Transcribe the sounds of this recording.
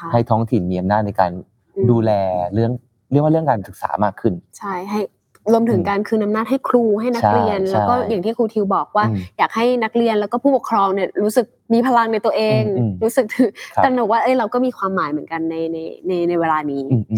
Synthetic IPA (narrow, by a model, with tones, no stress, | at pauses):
kʰa˥˩ha˥˩jt̪ʰɔː˦˥ŋt̪ʰi˨˩nmiː˧ʔa˧mnaː˥˩t̪̚na˧jka̰ː˧n | duː˧lɛː˧ɾɯ˥˩əŋ | ɾkwaː˥ɾɯ˥˩əŋkaː˧nsɯ˨˩k̚sa̰ː˩˦maː˥˩kʰːɯ˥˩nt͡ɕʰa˥˩jɦa˥˩j | ɾu˧əmt̪ʰɯ˩˦ŋkaː˧nkʰɯː˧nʔa˧mnaː˥˩t̪̚ha˥˩jkʰɾuː˧˩ɦa˥˩jna˦˥˦kɾi˧ənlɛ˦˥˦wkɔː˥˩jaː˨˩ŋt̪ʰiː˥˩kʰuː˧t̪ʰi˧wbɔː˨˩k̚waː˥˩jaː˨˩k̚ha˥˩jna˦˥k̚ɾi˧ənlɛ˦˥wkɔː˥˩pʰuː˥˩pu˨˩kʰɾɔː˧ŋni˥˩ɐɾuː˦˥sɯ˨˩k̚miː˧pʰa˧la˧ŋna˧jt̪u˧əʔeː˧ŋ˧ɾuː˦˥sɯ˨˩k̚t̪ʰɯ˧˩n˧b̚waː˥˩ʔɤ˧˥˩jɾa˧wkɔː˥˩miː˧kʰwaː˧mːaː˩˦jmɯ˨˩˦ənka˧nːa˧jna˧jna˧jna˧jweː˧laː˧niː˦˥˧